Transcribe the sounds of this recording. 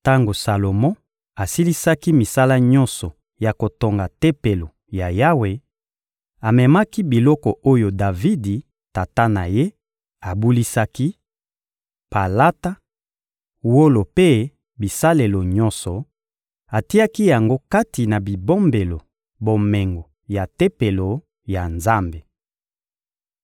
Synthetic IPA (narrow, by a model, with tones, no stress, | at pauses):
ta˦ŋɡo˨sa˨lo˨mɔ̃˦ | a˨si˦li˦sa˦ki˦mi˨sa˦la˦ɲɔ̃˦nsɔ˨ | ja˨ko˨to˨ŋɡa˨te˦pe˨lo˨ | ja˨ja˦we˨ | a˨mɛ˨ma˦ki˦bi˨lɔ˦kɔ˨o˦jo˨da˨vi˦di˨ | ta˨ta˦na˨je˦ | a˨bu˦li˦sa˦ki˦ | pa˨la˦ta˦ | wo˦lo˨pe˦ | bi˨sa˦le˨lo˨ɲɔ˦nsɔ˨ | a˨ti˦ja˦ki˦ja˨ŋɡo˦ka˦ti˨na˨bi˨bo˦mbe˨lo˨ | bo˨mɛ˨ŋɡo˨ | ja˨te˦pe˨lo˨ | ja˨nza˦mbe˨